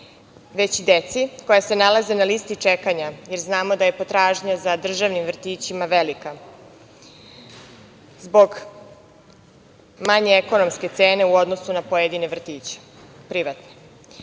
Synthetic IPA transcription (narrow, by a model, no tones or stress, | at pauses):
ʋe̞t͡ɕid̪et̪siko̞jase̞nalaze̞naliːst̪it͡ʃekaɲaje̞ɾznaːmo̞d̪aje̞po̞t̪ɾaːʒɲazad̪r̩ʒaʋnimvr̩t̪iːt͡ɕimaʋelika | zbo̞ɡ | maɲeeko̞no̞mske̞t̪seːne̞uo̞d̪no̞sunapojed̪ineʋr̩t̪iːt͡ɕe̥ | pɾiʋat̪ne̥